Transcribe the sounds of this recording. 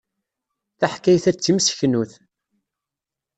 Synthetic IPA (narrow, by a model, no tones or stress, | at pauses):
θaħkːæjθæt͡sːimsçnuθ